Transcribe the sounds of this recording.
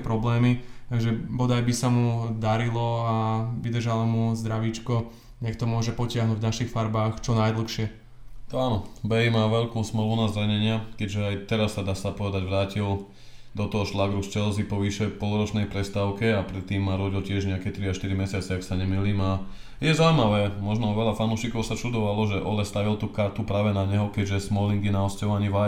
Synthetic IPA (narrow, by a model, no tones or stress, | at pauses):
pɾɔblɛːmit̪aɡʒɛbɔd̪ajbisamud̪aɾilɔaʋid̪rʒalamuzd̪ɾaʋiːt͡ʃkɔ | ɲɛkt̪ɔmʊɔʒɛpɔcɪaɦnuɟvɟnaʃixfaɾbaːxt͡ʃɔnajd̪l̩ˠxʃɪɛ | t̪aːnɔbɛjmaːʋɛʎkuːsml̩ʋunazɾaɲɛɲɪakɛɟʒɛajt̪ɛɾasːad̪aːsapɔʋɛd̪aɟʋɾaːcil | d̪ɔt̪ɔɦɔʃlaɡɾust͡ʃɛlzipɔʋiʃɛjpɔlɾɔt͡ʃnɛjpɾɛst̪aʊkɛapɾɛt̪ːiːmːaːɾɔɟilcɪɛʒɲɛakɛt̪ɾiaʃt̪iɾimɛsɪat͡sɛaksaɲɛmiliːma | jɛzaʊimaʋɛːmɔʒnɔʋɛʎafanuːʃikɔʊsat͡ʃud̪ɔʋalɔʒɛʔɔ̰lɛst̪aʋilt̪uːkaɾt̪upɾaːʋɛnaɲɛɦɔkɛɟʒɛsmɔliŋɡinaɔscɔʋaɲiʋa